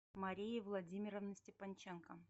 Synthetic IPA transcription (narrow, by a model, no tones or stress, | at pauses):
mɐɾʲijɪvlˠɐdʲimʲɪɾəvnəsʲtʲɪpɐnʲt͡ɕenkə